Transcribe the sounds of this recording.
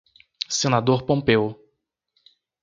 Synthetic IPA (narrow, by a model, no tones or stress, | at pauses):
sẽnad̪oɾpõpew